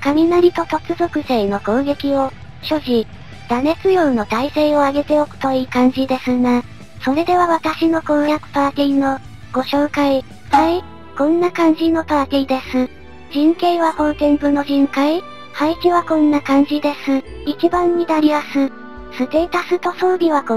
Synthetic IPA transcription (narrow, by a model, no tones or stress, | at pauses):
kamʲinaɾʲit̪o̞t̪o̞t͡sɨzo̞kɯ̟seːno̞koːɡe̞kʲio̞ | ɕo̞ʑi | d̪̥ane̞t͡sɨjo̞ːno̞t̪aiseo̞aɡe̞t̪e̞okɯ̟̥t̪o̞iːkãɲ̟d͡ʑid̪e̞sɨna | so̞ɾe̞d̪e̞β̞aβat̪aɕino̞ko̞ːɡjakɯ̟̥paːt̪ʲiːno̞ | ɡ̥o̞ɕo̞ːkai | hai | kõ̞nːakãɲ̟d͡ʑino̞p̪aːt̪ʲid̪e̞sɨ | d͡ʑĩŋkeiβaho̞ːt̪ẽŋɡɯ̟no̞ʑĩŋkai | haikʲiβakõ̞nːakãɲ̟d͡ʑid̪e̞sɨit͡ɕibãɲ̟ːinaɾʲimasɨ | sɨt̪e̞ːt̪asɨt̪o̞so̞ːɾʲiβa